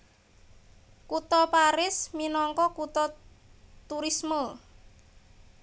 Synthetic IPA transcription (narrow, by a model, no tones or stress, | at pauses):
kut̪ɔpaɾɪsminɔŋkɔkut̪ɔ | t̪uɾismə